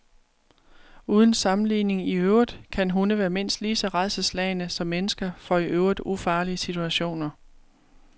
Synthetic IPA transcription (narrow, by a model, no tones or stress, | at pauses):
uːð̞ˠn̩sɑ̈mn̩lḭːne̝ŋiøʊʁid̥ˠkʰænɦunəʋæːɐme̝n̰sd̥liːsɒ̽ʁɑ̈ɪðsəslɛɪnəsɒ̽mːenəsɡ̥ɐfɒ̽iʔøʊʁid̥ufɑ̈ːliəsit͡sʰuæɕo̝̰ːnɐ